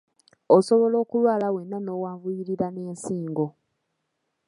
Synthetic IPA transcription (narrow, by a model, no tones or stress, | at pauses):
oso̞βo̞lo̞ːkulwaːlawenːano̞waːvujiɾiɾane̞ːnsiːŋɡo̞